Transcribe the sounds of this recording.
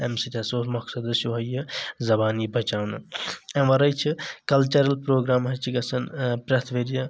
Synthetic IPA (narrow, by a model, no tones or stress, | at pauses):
emsit̪ʲɐsoːtmɐksɐd̪ɨsuɦɐjɐzɐbaːnibʱɐt͡ʃaːwnɨɐ̃mʋɐɾɐjt͡ʃʰikɐlt͡ʃɐɾɐlpɾoːɡɾaːmɦɐt͡ʃʰiɡɐsɐnpɾɐt̪ʰʋeɾijɐ